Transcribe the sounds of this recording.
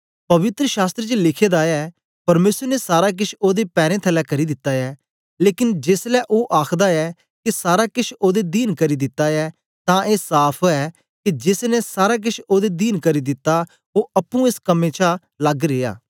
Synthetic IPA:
pɐʋɪt̪ɾəʃaːst̪ɾet͡ʃlɪkʰeːd̪aːɛː | pɐɾmeːsəɾnesaːɾaːk̬ɪʃʰoːd̪epɛːɾẽːt̪ʰɛlɛːkɐɾiːd̪ɪt̪ːaːɛː | leːkɪnd͡ʒeːslɛːʔoːʔaːkʰd̪aɛː | kɪsaːɾaːkɪt͡ʃʰoːd̪eːd̪iːnkɐɾiːd̪ɪt̪ːaːɛː | t̪ãʔeːsaːpʰoɛː | kid͡ʒɪsnesaːɾak̬ɪʃʰoːd̪ed̪iːnkəɾiːd̪ɪt̪ːa | oːʔɐpːũeːskɐmẽːt͡ʃʰa | ləɡɾeːa̰ː

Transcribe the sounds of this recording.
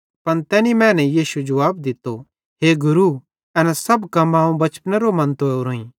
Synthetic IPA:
pɐnt̪ɛːnimɛ̃ːnɛjiːʃud͡ʒʊʋaːbd̪ɪt̪ːo | ɦeɡʊɾu | ɐnɛsɐbkɐmãːũbɐt͡ʃpnɛɾomɐ̃nt̪ooɾoːĩ

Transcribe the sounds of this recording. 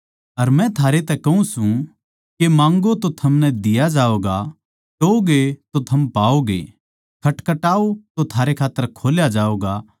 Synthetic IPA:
ɐɾmɛ̃t̪ʰaːɾet̪ɛkɐũsũ | kemãːŋɡot̪ot̪ʰɐmnɛd̪ɪjad͡ʒaːoːɡa | ʈoːɡet̪ot̪ʰɐmpaːoɡḛ | kʰɐʈkɐʈaːot̪ot̪ʰaːɾekʰaːt̪ːəɾkʰoːljad͡ʒaːoːɡa

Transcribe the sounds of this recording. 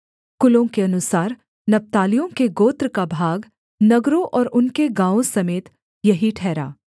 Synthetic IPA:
kʊlõkeɐnʊsaːɾ | nɐp̚t̪aːlijõkeɡoːt̪ɾkabʱaːɡ | nɐɡɾõʔɔːɾʊnkeɡãːõsɐmeːt̪ | jɐɦiʈʰɛːɾa̰ː

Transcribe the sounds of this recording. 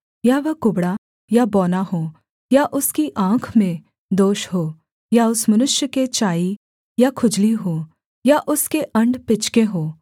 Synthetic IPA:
jaːʋɐkʊbɽa | jabɔːnaɦoː | jaʔʊskiʔãːkʰmẽ | d̪oːʃɦoː | jaʊsmɐnʊʃjəket͡ʃaːi | jakʰʊd͡ʒliɦoː | jaʔʊskeʔɐ̃ɳɖpɪt͡ʃkeɦoː

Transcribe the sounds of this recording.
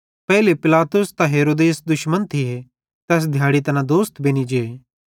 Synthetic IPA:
pɛːlepɪlaːt̪ʊst̪ãɦeːɾoːd̪eːsd̪ʊʃmənt̪ʰɪɦe | t̪ɛːs̬d̪ʱjaːɽit̪ɐnãd̪oːst̪beːñid͡ʒeː

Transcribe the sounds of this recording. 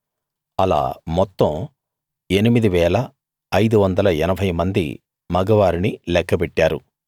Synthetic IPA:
ɐla̰ːmɔt̪ːɐm | e̞nimid̪iʋɛːlɐː | jd̪uʋɐnd̪ɐlɐɛnɐbʱɐjmɐnd̪ḭ | mɐɡɐʋaːɾinilɛkʰːɐpɛʈːaːɾṵ

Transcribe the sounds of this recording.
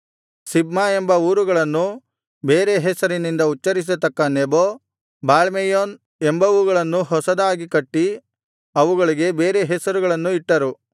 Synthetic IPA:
sibmaembɐuːɾuɡɐɭɐnːu | beːɾe̞ɦɛsɐɾinind̪ɐut͡ʃːɐɾis̬et̪ɐkːɐneboː | baːɭmejoːn | embɐʋuɡɐɭɐnːuɦɔsɐd̪aːɡikɐʈːi | ɐʋuɡɐɭiɡe̞be̞ːɾe̞ɦɛsɐɾuɡɐɭɐnːuiʈːɐɾu

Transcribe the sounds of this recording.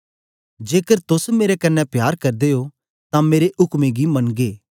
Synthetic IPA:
d͡ʒeːkəɾt̪ʊsmeːɾekɐnːɛpjaːɾkɐɾd̪eo | t̪ãmeːɾeʔʊkmeɡimɐnɡeː

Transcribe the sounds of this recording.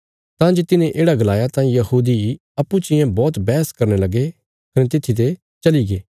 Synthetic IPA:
t̪ãːd͡ʒot̪ɪnẽʔeːɽaɡɐlaːjat̪ãːĩjɐhuːd̪i | ɐpːut͡ʃɪjẽbɔːt̪bɛːskɐɾnelɐɡe | kɐnet̪ɪt̪ʰːit̪̬e | t͡ʃɐliɡeː

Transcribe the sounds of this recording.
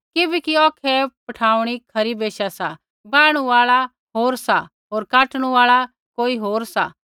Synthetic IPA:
kɪbɛkiɔːkʰɛpɐʈʰaːuɽ̃ikʰɐɾibeːʃasa | bãːɽ̃uaːɭa | ɦoːɾsa | ɦoːɾkaːʈɽ̃uaːɭa | koːiɦoːɾsa̰

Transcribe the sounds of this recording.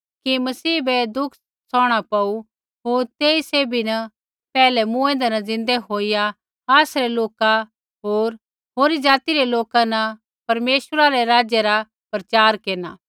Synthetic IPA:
kimɐsiːbɛd̪ʊkʰ | sɔːɽ̃apɐu | ɦoːɾt̪eːiseːbinɐ | pɛːlɛmũẽːnd̪ɛnɐzɪ̃nd̪eɦoːija | aːsɾɛloːka | ɦoːɾ | ɦoːɾid͡ʒaːt̪iɾeloːkãnɐ | pɐɾmeːsəɾaɾeɾaːd͡ʒjɛɾa | pɾɐt͡ʃaːɾkeːnaː

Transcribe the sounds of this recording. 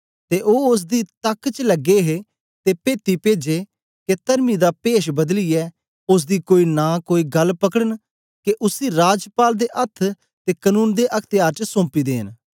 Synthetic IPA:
t̪eʔoːʊs̬d̪iːt̪ɐkːt͡ʃləɡeɦe | t̪epeːt̪ipeːd͡ʒe | ket̪əɾmid̪aːpeːʃbɐd̪lijɛː | ʊs̬d̪iːkoːiːnãːkoːiːɡɐlpɐkəɽən | keʔʊsiːɾaːd͡ʒpaːld̪eʔɐt̪ʰ | t̪eːkənũːnd̪eːʔɐkʰt̪ɪjaːɾt͡ʃəsõːmpiːd̪ḛːn

